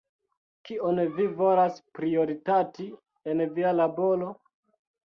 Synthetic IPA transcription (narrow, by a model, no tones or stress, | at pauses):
kionvivolaspɾio̞ɾitati | envialabo̞lo̞